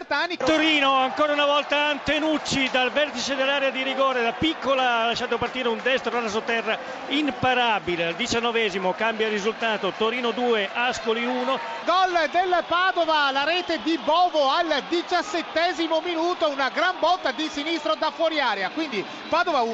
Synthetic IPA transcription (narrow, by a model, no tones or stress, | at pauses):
rt̪aːnit̪oɾiːnoaŋkɔːɾaunavɔlt̪aːnt̪enut͡ʃːid̪alvɛrt̪it͡ʃed̪elːaːɾjad̪iɾiɡɔːɾelapikːolalːaʃːaːt̪opart̪iːɾeund̪ɛst̪ɾoalas̬ot̪ːɛrːa | impaɾabileald̪it͡ʃanːɔvɛːzimokambjarizult̪aːt̪ot̪oɾiːnod̪uːeʔaskoliuːno | ɡɔld̪elpaːd̪ovalaɾɛːt̪ed̪ibɔːvoald̪it͡ʃasːet̪ːɛːzimominuːt̪ounaɡɾambɔt̪ːad̪isinist̪ɾod̪afwɔɾiaːɾjakwind̪i | paːd̪ovau